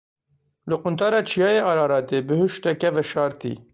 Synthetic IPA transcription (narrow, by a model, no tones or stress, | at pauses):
lɨqʊnt̪ʰɑːɾɑːt͡ʃʰijɑːjeːʔɑːɾɑːɾɑːt̪eːbɨhɨʃt̪ɛkɛvɛʃɑːɾt̪ḭː